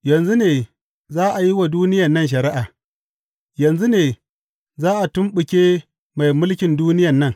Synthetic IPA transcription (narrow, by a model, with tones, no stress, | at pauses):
jɐ˨nzu˦neː˨ | zaː˦ʔa˨ji˦wa˨duː˦nɪ˦jɐ˨nːɐ˦˨nʃ̬ɐ˨ɾɪ˦ʔa˨ | jɐ˨nzu˦neː˨ | zaː˦ʔa˨tʊ˦mɓʊ˨kʲeː˦ | ma˨jmʊ˦lkʲɪ˨nduː˦nɪ˦jɐ˨nːɐ˦ŋ